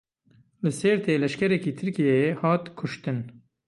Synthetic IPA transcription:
lɨsɛɾt̪ʰeːlɛʃkɛɾɛkiːt̪ʰɨɾkijɛjehɑːt̪kʰʊʃt̪ɨn

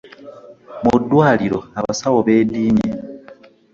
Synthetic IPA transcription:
mudwaːliɾoaβasawoβe̞ːdiːɲe

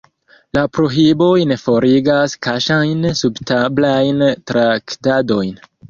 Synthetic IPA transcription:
lapɾo̞ɦibo̞jnefo̞ɾiɡaskaʃajnsubtablajntɾaktado̞jn

